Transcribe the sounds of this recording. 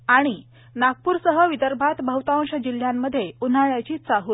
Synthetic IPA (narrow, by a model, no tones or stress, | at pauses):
aɽ̃i | naɡ̚puːɾsəɦəʋid̪əɾbʱat̪bʱəwt̪aʋə̃ŋɕəd͡ʑil̤jamːəd̪ʱːjeun̤aɭjat͡ɕiːt͡saɦuːl